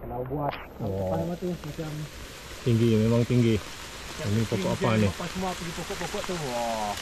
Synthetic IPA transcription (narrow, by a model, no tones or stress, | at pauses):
kəlaubuat̪ | aapanamat̪umat͡ʃam | t̪iŋɡimemaŋt̪iŋɡi | omipokoʔapanipasəmuapuipokɔʔpokɔʔt̪u